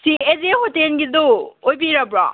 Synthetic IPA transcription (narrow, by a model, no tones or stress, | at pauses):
siezeɦotenɡidoojbiɾabɾa̰